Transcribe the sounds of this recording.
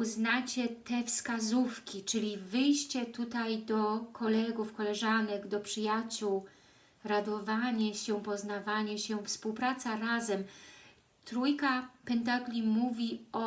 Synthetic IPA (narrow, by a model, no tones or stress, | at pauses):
uznat͡ɕɛt̪ɛfskazufkʲit͡ʂɘlʲivɘjɕt͡ɕɛt̪ut̪ajd̪ɔkʰɔlɛɡufkɔlɛʐanɛɡd̪ɔpʂɘjat͡ɕuw | ɾad̪ɔvaɲɛɕɛpɔznavaɲɛɕɛfspuwpɾat̪saɾazɛm | t̪ɾujkapɛnt̪aɡlʲimuvʲiɔ